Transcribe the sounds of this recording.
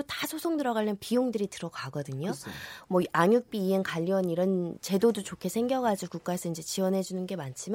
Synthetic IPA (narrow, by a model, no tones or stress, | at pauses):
otasʰosʰoŋdɯɾʌɣaʎːʌnpijoŋdɯɾitɯɾʌɡaɡʌdɯɲomwʌaɲjuk̚p͈iːenkaʎːʌniɾʌnt͡ɕe̞dodot͡ɕokʰe̞sʰe̞ŋɡjʌɡad͡ʑukuk͈aes͈ʰʌind͡ʑe̞t͡ɕiwʌnɦe̞d͡ʑunɯnɡe̞mant͡ɕʰima